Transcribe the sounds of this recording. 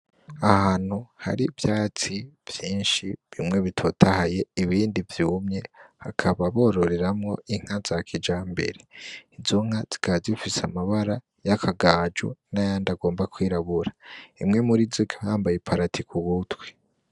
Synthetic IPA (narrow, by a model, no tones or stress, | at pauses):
ahaːn̥huha̰ɾivjaːt͡siv̥jiːnʃiβimŋe̞βitʰo̞tʰahaje̞iβiːndivjuːmɲe̞hakʰaβaβo̞ːɾo̞ɾe̞ɾamŋo̞iŋ̥hazakʰid͡ʒaːmbe̞̰ɾe̞izuŋ̥az̥i̥kazifisamaβaɾa | jakʰaɡaːd͡ʒṵnajandaɡo̞ːmbakwiːɾaβuɾaimŋe̞muɾizikʰahaːmbajepʰaɾatikʰuβutwe̥